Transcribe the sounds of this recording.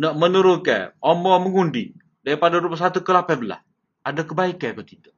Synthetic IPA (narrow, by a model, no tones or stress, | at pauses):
nɔʔmənuɾʊkɛ̰ɔmɔməŋundi | daɾipadaɾupas̬at̪ukəlapɛbəla̰s | adakəbaikɛkət̪it̪u